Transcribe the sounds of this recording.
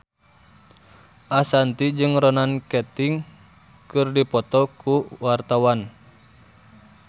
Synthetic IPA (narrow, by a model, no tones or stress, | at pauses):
ʔasant̪id͡ʒɨŋrɔnankɛt̪iŋ | kɨrdipɔt̪ɔkuwart̪awan